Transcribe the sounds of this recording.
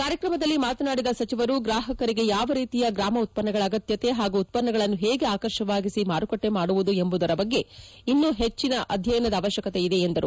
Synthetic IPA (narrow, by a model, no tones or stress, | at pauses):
kaːɾjɐkɾɐmɐd̪ɐlːimaːt̪ɐnaːɽid̪ɐsɐt͡ʃiʋɐɾuɡɾaːɦɐkɐɾiɡe̞jaːʋɐɾiːt̪ijɐɡɾaːmɐut̪̚pɐnːɐɡɐɭɐːɡɐt̪jɐt̪e̞ɦaːɡuːt̪̚pɐnːɐɡɐɭɐnːuɦeːɡe̞aːkɐɾʃɐʋaːɡisimaːɾukoʈːe̞maːɽuʋud̪ue̞mbud̪ɐɾɐbɐɡːe̞inːuɦet͡ʃːinɐʔɐd̪ʱjɐjɐnɐd̪ɐaːʋɐʃjɐkɐt̪e̞id̪e̞ːnd̪ɐɾu